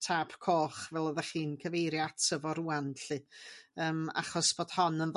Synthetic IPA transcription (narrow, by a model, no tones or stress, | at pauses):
tʰapkʰoːχvɛlˠəðaχiːnkʰəvejɾjatʰəvɔɾuːanɬɨəːma̰χɔsb̥oːd̥hɔnənð